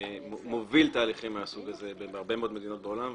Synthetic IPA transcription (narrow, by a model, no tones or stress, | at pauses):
movilt̪aːliχimːeasuɡazebebaʁbemeod̪me̞d̪ino̞t̪beo̞lam